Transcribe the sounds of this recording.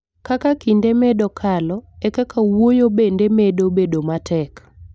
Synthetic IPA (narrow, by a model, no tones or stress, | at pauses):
kakakindemɛdɔkʰalɔɛkakʰawojobendemedobedomatʰɛk